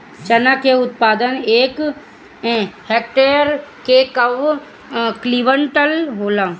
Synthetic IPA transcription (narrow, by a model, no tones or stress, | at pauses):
t͡ʃənakeʊt̪paːd̪əneːk | heːk̚ʈeːəɾkekəʋ | kliʋəɳʈəlɦoːlã